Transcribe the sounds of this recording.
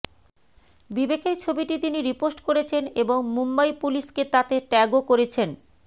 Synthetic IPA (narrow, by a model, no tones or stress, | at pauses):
bibekeɾt͡ɕʰobiʈit̪iniɾiposʈkoɾet͡ɕʰeneboŋmumbaipuliʃket̪at̪eʈɛɡokoɾet͡ɕʰen